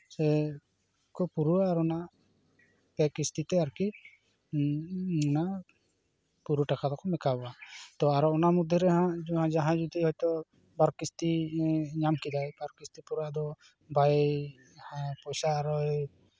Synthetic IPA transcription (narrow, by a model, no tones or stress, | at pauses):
sɛ | kɔpuɾuaːɾɔna | pɛkist̪it̪ɛaɾki | na | puɾuʈakad̪ɔkɔmɛkabɔat̪ɔaɾɔɔnamud̪ʱjɔɾɛɦãd͡ʒɔɦãd͡ʒaɦãd͡ʒɔd̪iɦɔjt̪ɔ | baɾkist̪iɲamkid̪ajbaɾkist̪ipuɾuaʔd̪ɔ | bʱaj | hãpɔjsaːɾɔ